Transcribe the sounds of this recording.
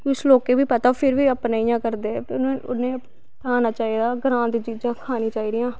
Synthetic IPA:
kɪʊsloːkeːʋiːpət̪aːpʰɪɾʋiːəpnaːijãːkəɾd̪eːnẽːʊnẽː | t̪ʰaːnaːt͡ʃaːiːd̪aːɡɾãːnt̪t͡ʃiːd͡ʒãːkʰaːnĩːt͡ʃaːiːd̪ɪjãː

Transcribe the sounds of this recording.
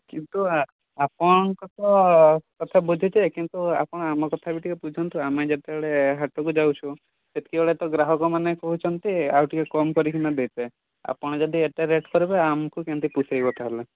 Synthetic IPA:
kint̪u | apɔɽ̃ɔkɔt̪ʰɔkɔt̪ʰabud̪ʱit͡ʃ̪ʰakint̪ua̰pɔɽ̃ɔamɔkɔt̪ʰabiʈikɔpud͡ʒʱɔnt̪uamed͡ʒet̪eɭeɦaʈɔkud͡ʒawt͡ʃʰũ | d͡ʒet̪i̥kieɭet̪ɔɡɾaɦɔkɔmanekɔɦut͡ʃʰɔnt̪iawʈikekɔmkɔɾikʰinad̪ejt̪e | a̰pɔɽ̃ɔd͡ʒɔd̪ieʈaɾeʈkɔɾibeamɔkukent̪ipusajbɔt̪aɦele

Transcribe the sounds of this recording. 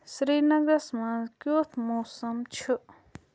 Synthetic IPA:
sɾinʌɡəsmãkjot̪ʰmosɐmt͡ʃʰu

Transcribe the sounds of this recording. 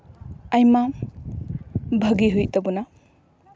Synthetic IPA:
ajma | bʱɐɡiɦujtɐbuna

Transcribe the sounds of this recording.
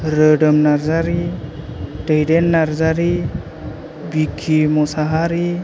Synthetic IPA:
ɾəɖəmnaɾzaɾi | ʈejdenːaɾzaɾi | bikʰimɔsaɦaɾi

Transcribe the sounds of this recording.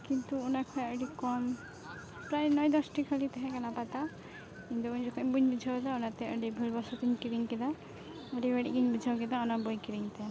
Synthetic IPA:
kint̪uːnakʰɔjəɖikɔm | pɾajnɔjd̪ɔsʈikʰəlit̪ɛɦɛ̃kanapat̪a | kint̪uuɲd͡ʒɔkʰɔmbuɲbid͡ʒʱawt̪aunat̪ɛəɖibʱulbɔsɔt̪iɲkiɾiŋkid̪a | əɖibɛɽiɡiɲbid͡ʒʱawkid̪aunabɔjkiɾiŋt̪ɛ

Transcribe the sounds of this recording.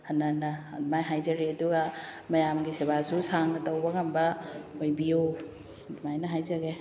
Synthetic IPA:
hɐnːanamajɦajzaɾetuɡamɐjamɡiseβasusʰaŋnɐtawbaɡambɐojbijo | dmajnɐɦajzaɡe

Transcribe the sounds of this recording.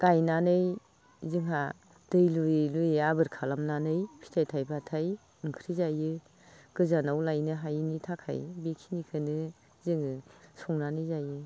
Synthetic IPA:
ɡ̥ajnanɯj | zɯŋɦa | d̥ɯjlulujabɯɾkʰalamnanɯjpʰi̥tʰajtʰajbatʰaj | ɯŋkʰɾizajɯ | ɡ̥ɯzanawlajnɯɦajnitʰakʰa̰jbekʰinikʰɯnɯ | zɯŋɯsɔŋnanɯjzajɯ

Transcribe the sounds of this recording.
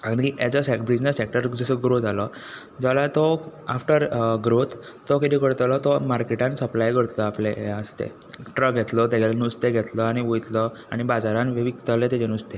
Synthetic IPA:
aɽ̃iad͡zəsekbid͡znesːek̚ʈəɾd͡zəsɔɡɾot̪alɔ | d͡zalat̪ɔafʈəɾɡɾot̪ː | ɔkit̪ikəɾt̪alɔt̪ɔmaɾkeʈãnsəplajkəɽt̪lɔaplejaəst̪ḛʈɾək̚ɡʱɛt̪lɔt̪ɛɡelnust̪eɡʱɛt̪lɔaɽ̃iʋojt̪lɔ | aɽ̃ibad͡zaɾãnʋeʋikt̪alet̪ed͡ʑenust̪e

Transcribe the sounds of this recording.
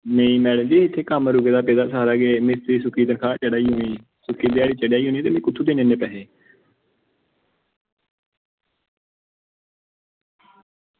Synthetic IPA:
mẽĩːmɛːɽə̃d͡ʒeːɪt̪ʰːeːkəmɾʊɡeːd̪aːpeːd̪aːsaːɾaːɡeːmɪst̪ɾiːsʊkʰiːd̪ənkʰaːt͡ʃəɽaːiːɦoːniː | sʊkʰːiːd̪eaːɽiːt͡ʃəɽjaːiːɦoːniːt̪eːmẽːkʊt̪ʰːuːd̪eːneːneːpɛːɦeː

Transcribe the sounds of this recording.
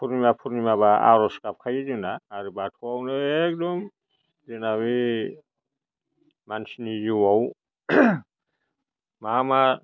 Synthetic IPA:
pʰuɾnimapʰuɾnimaβaa̰ɾɔskap̚kʰajizɯnaːɾɯbatʰuawnɯɛk̚dɔm | zɯnaβi | mansniziwaw | mama

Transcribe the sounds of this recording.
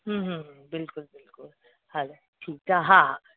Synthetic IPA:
ɦũɦũɦbɪlkʊlbɪlkʊl | hãd͡ʒa | ʈʰiːk̚t̪ʰaɦã

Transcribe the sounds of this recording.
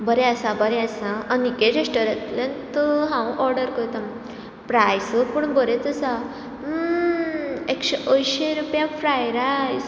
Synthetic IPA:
bəɾeasãbəɾeasãənikẽɾesʈəɾet̪lẽnt̪əɦãwʔɔɾɽəɾkəɾt̪am | pɾajsəpuɳbəɾet͡sasa | ekɕeʔəjɕeɾupjãfʰɾajɾajs

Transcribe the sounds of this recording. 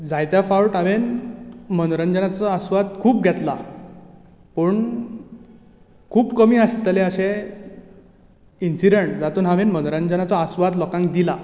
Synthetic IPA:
d͡zajt̪jafawʈaʋenmənɾənd͡ʑənat͡sɔasʋad̪kʰuːb̚ɡʱɛt̪la | pəɳ | kʰuːbkəmiːast̪əleəɕe | insiɖeɳʈ̚d͡zat̪uːnɦaʋenmənɾənd͡ʑənat͡səːsʋad̪lɔkãŋkd̪ila

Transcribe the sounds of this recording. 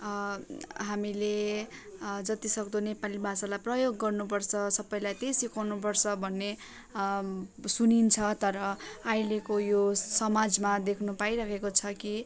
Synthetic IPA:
ɦamile | d͡zʌt̪isʌkd̪onepalibʱasalajprʌjoɡːʌrnupʌrt͡sʰʌsʌbʌjlajt̪esikʰawnup̬ʌrt͡sʰʌbʱʌnːe | sunint͡sʰʌt̪ʌɾʌajlekojosʌmad͡zmad̪ekʰnupaiɾakʰekot͡sʰʌki

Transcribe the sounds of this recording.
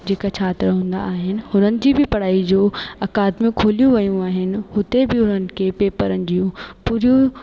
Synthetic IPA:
d͡ʑeːkat͡ɕʰaːt̪ɾɦũːn̆d̪a̰ːɦɪnɪ̆ɦʊnənɪ̆d͡ʑiːbʱɪpɐɽ̤aːid͡ʑoːɐkaːd̪mũkʰoːlijũʋɐjũaːɦɪnɪ̆hʊt̪ebɪʊnənɪ̆kʰepeːpəɾənɪ̆d͡ʑijũpuːɾijũ

